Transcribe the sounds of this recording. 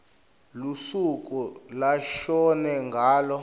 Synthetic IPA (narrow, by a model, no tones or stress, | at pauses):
lusuk̬ʼulaʃɔnɛŋɡʱaːlɔ